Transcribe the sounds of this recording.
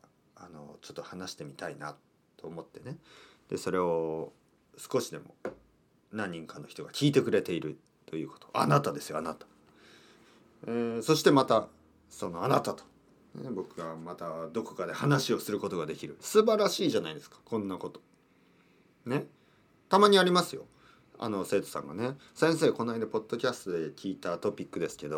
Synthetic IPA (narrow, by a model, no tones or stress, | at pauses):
ano̞̰t͡ɕo̞t̪ːohanaɕi̥t̪e̞mʲit̪aina̰t̪ː | o̞ːmo̞t̪ːe̞ne̞d̪̥e̞so̞ɾe̞o̞ | sɨ̥ko̞ɕid̪e̞mo̞̰ | nãɲ̟ːĩŋkanːo̞çi̥t̪o̞ɡakʲiːt̪e̞kɯ̟ɾe̞t̪e̞iɾɯ̟ | t̪o̞jɯ̟ːko̥t̪o̞̥a̰nat̪ad̪e̞sɨjo̞anat̪ḁ | eso̞ɕi̥t̪emat̪a | so̞no̞anat̪at̪o̥ | nḛbo̞kɯ̟ɡamat̪ad̪o̞ko̞kad̪e̞hanaɕio̞sɨɾɯ̟ko̞t̪o̞ɡad̪e̞kʲiɾɯ̟sɨbaɾaɕiːʑanaid̪e̞sɨ̥kḁkõnːako̞t̪o̞̥ | ne̞ | t̪amaɲ̟iaɾʲimasɨjo̞̰ | a̰no̞se̞ːt̪o̞̥sã̰ŋɡa̰ne̞ | sẽ̞se̞ːko̞naid̪apo̞d̪ːo̞kʲasɨ̥t̪od̪e̞kʲʰiːt̪at̪o̞pʲikːɯ̟d̪e̞sɨ̥ke̞d̪o̞